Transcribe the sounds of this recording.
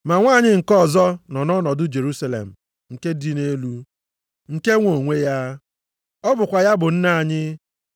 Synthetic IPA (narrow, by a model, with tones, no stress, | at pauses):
ma˨ŋʷaː˦˨ɲɪ˦ŋ̩˨kɔ˦˨zɔ˦nɔ˨nɔ˦nɔ˨dʊ˦d͡ʒe˨ɾu˦sa˨lḛ˨m̩˨ | ŋ̩˨ke˦di˦ne˦lu˦ | ŋ̩˨ke˦ŋʷo˨ŋʷe˦ja˦ | ɔ˦bʊ˨kʷa˨ja˦bʊ˨n̩˦na˦˨ɲɪ˦